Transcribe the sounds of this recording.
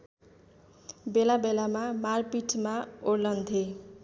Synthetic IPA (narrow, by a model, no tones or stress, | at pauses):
belabelamamarpiʈʰmaorlʌnd̪ʱe